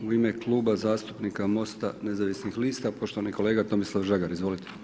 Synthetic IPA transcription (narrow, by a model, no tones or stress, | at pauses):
uime̞klˠuːbazaːst̪u̥pnikamo̞st̪a̰ne̞zaʋisnixliːst̪apo̞ʃt̪o̞ʋaniko̞le̞ːɡat̪o̞mislˠaʋʒaɡaɾizʋo̞lit̪e̥